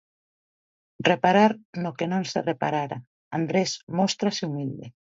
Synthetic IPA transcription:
repaɾaɾnokenõŋsḛrepa̰ɾaɾa̰ | and̪ɾesmɔst̪ɾaseumild̪e

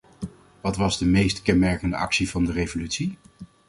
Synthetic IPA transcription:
ʋɑtʋɑzdəmejstkɛnmɛɹkəndəʔɑ̰ksivɑndərejvolytsi

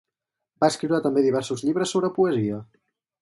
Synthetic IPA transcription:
baəskɾiwɾat̪əmbeðiβɛɾsuzʎiβɾəsːoβɾəpuəziə

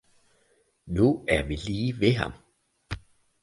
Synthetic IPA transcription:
nuæɐʋiliːʋeɦɑ̈m

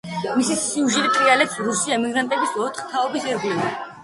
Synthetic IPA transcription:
misisiuʒiɾit̪ʼɾialɛpsɾusiɛmiɡɾant̪ʼɛbisɔt̪ʰχt̪ʰaɔbisɛɾɡlina

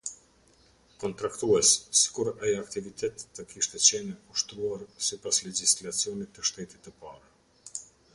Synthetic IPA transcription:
kɔnt̪ɾakt̪uɛsːi̥kuɾɛjakt̪ivit̪ʰɛt̪t̪ːəkiʃt̪ɛt͡ɕɛnɛuʃt̪ɾuaɾsipaslɛd͡ʑislat͡siɔnit̪ːəʃt̪ɛt̪it̪ːəpaɾa

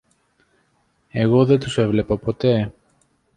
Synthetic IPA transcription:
e̞ɣo̞ðet̪use̞vle̞pɐpo̞t̪e̞

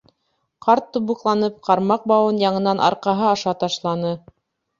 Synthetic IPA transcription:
qɑɾt̪ːubuqlˠɑnɤp̚qɑɾmɑq̚bɑwɤnjɑɴɤ̆nɑnʔɑ̰ɾqɑɦɤɑʃɑt̪ɑʃlˠɑnɤ

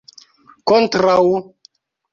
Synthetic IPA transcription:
kontɾaw

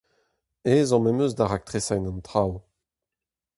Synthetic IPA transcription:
eːzɑ̃mɛmøzdaʁak̚t̪χesajnɑ̃nt̪χaw

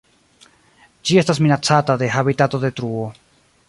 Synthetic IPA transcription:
d͡ʒie̞stas̬minat͡satade̞ɦabitato̞de̞tɾuo̞

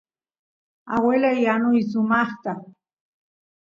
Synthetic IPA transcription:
awelajanʊjs̬ʊmɑχt̪a

